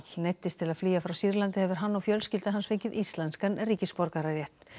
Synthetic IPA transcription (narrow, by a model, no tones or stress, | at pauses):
nejt̪ːɪst̪ʰɪlaðfliːjafɾawsiɾlant̪ɪhɛvʏɾ̥ɦanːɔfjœlscɪlt̪aɦansfeɲcʏðist̪lɛnskanrːiːcɪspɔɾkaɾaɾjɛht̪n̥